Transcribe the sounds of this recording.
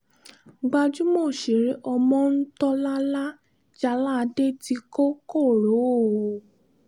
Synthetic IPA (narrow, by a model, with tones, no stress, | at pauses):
ɡ͡ba˧d͡ʒu˦mo˦˨ʃe˨ɾe˨˦ʔɔ˧mɔ̃˧n̩˦tɔ˦la˦la˦ | d͡ʒa˧la˦˧de˦ti˧ko˦ko˦˨ɾo˨˦o˦˨